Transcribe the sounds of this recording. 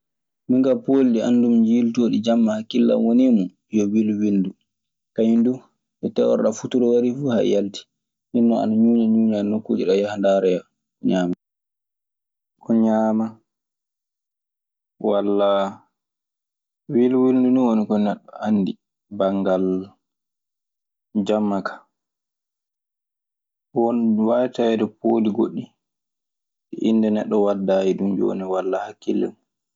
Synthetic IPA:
miŋɡapoːlɗianːdumd͡ʒiltoːɗid͡ʒamːahakːilːa̰mwonimu | jɔwilwildu | kaɲindu | ʔɛtɛwɔ̰ɾɗafutuɾɔwaɾifuːha̰jalti̥ | ʔinːɔa̰naɲuːɲaɲuːɲanokːoːd͡ʒiɗɔjahandaɾɛja | ɲaːma | kɔɲaːma | walːa | wilwilduniwonikɔnɛɗːɔanːdi | baŋɡal | d͡ʒamːakʰḁ | wonwajtawɛdɛpodiɡoɗːi | ɛʔinːdɛnɛɗːɔwadːaːjidumd͡ʒo̰niwalːahakːilːɛ̰mu

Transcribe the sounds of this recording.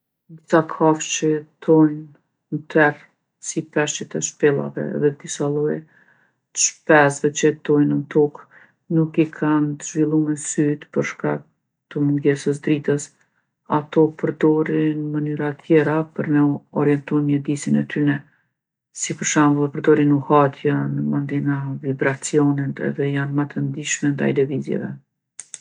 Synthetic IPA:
d̪isakʰaft͡ʃəɛt̪ʰɔjn | mt̪ʰɛr | sipɛʃt͡ʃət̪ɛʃpɛlˠa̰vɛ̰ðɛd̪isalˠɔjɛ | t̪ə̥ʃpɛsðɛt͡ʃət̪ɔjnənt̪ɔk | nukikʰant̪əʒvilˠumɛnsyt̪pəɾʃkak̚ | t̪əmuŋɡɛsəs̬d̪ɾit̪əs | at̪ɔpəɾd̪ɔɾinmənyɾat̪ʰjɛɾapəɾnɛɔɾjɛnt̪ɔjmɲəd̪isinɛ̰t̪ynɛ | sipəɾʃanɛpəɾd̪ɔɾinuhat̪ʰjənəmənd̪inavibɾat͡siɔnit̪ɛ̰ðɛjanmat̪ʰənd̪iʃmɛnd̪a̰jlɛvizjɛ̰vɛ̰

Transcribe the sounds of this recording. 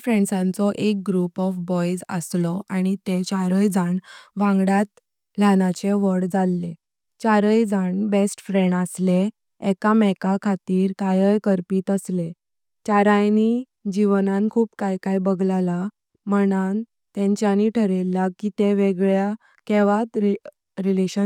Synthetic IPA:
fɾẽɳɖsãnt͡sɔʔek̚ɡɾupɔfbɔjd͡zə̰slɔaɽ̃it̪et͡ɕaɾəjd͡zʱaɳʋãŋɡɽjat̪ | ljanat͡ɕeʋəɽd͡zalːe | t͡ɕaɾəjd͡zʱaɳbesʈfɾeɳɖəsleː | kamɛkakʰat̪iːɾkajəjkəɾpiːt̪əsle | t͡ɕaɾajni | d͡ʑiʋnankʰuːpkajkajbəɡlala | mənan | t̪ẽɲt͡ɕjaniʈʰəɾeljakit̪eʋeɡɭja | keʋat̪ɾ | ɾileɕə

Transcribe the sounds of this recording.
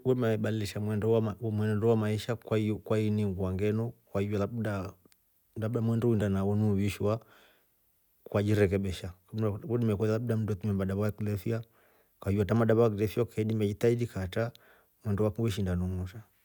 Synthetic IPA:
wɛmɛɓaliliʃamwɛndɔwamwɛnɛndɔwamaiʃakwakwainiŋɡuaŋɡɛnɔkwahivɔlaɗa | labdamwɛndɔindanaunuwiʃwa | kwad͡ʒiɾɛk̬ɛɓiʃakuɗimɛkualaɓudam̩ndɔtimɛmbaɗaβajakilɛfia | kwaivɔatamaɗaβaakilɛfiakʰɛɗimɛd͡ʒitaiɗikata | mwɛndɔwakwɛʃ̬indanuŋuʃa

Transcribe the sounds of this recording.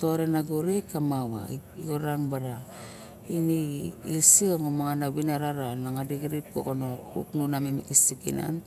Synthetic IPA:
toɾenaɡoɾekamawa̰iiɡoɾanbaɾa | iniilsiomomaŋanawinaɾaɾanaŋadiɡiɾip̚ko̰konoṵknunamimikisikina̰n

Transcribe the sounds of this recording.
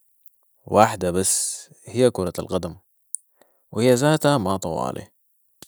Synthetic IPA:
waːħd̪abasː | hijːakuːɾˤɑ̰lɣad̪am | whɪjːazaːt̪amɑt̪ˤɑ̰wɑ̰ːlʔḭ

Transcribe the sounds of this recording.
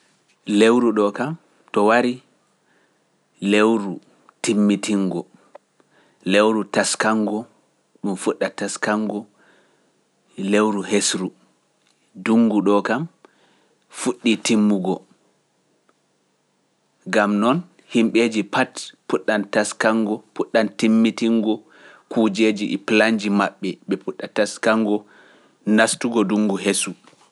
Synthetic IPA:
lewɾuɗɔkam | tɔwaɾi | lewɾu | timːitiŋɡɔ | lewɾutaskaŋɡɔ | ɗumfuɗːataskaŋɡɔ | lewɾuhesɾu | duŋɡuɗɔkam | fuɗːitimːuɡɔ | ɡamnɔn | himɓed͡ʒipatpuɗːantaskaŋɡɔpuɗːantimːitiŋɡɔ | kud͡ʒed͡ʒiʔplaɲd͡ʒimaɓːɛɓɛpuɗːataskaŋɡɔ | nastuɡɔduŋɡuɦesu

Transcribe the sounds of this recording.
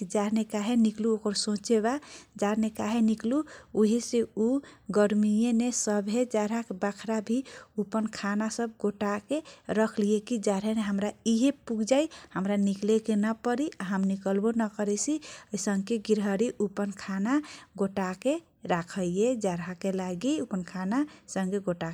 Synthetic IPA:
d͡ʒaɾnekaɦenikluokəɾsõt͡ʃeβad͡ʒaɾnekaɦenikluuɦeseuɡəɾmijenesəbʱɦed͡ʒaɾɦakebakʰɾabʱiupənkʰanasəb̚ɡoʈakeɾəkʰliekid͡ʒaɾɦeneɦəmɾaiɦepuɡd͡ʒaihəmɾaniklekenəpəɾiʔaɦəmnikəlbonəkəɾɛsʰiəisəŋɡkeɡiɾɦəɾiʔupənkʰanaɡoʈake | ɾakʰəjed͡ʒaɾɦakelaɡiupənkʰanasəŋɡeɡoʈak

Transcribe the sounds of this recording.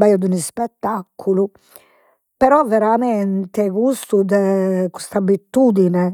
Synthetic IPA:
bajɔd̪unispɛt̪ːakʰːulu | pɛɾɔvːɛɾamɛnt̪ɛkust̪ud̪ɛkust̪abit̪ːud̪inɛ

